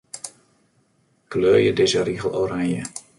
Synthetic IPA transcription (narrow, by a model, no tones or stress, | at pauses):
kløːjədezəriɣəlˠʔoːɾaŋjə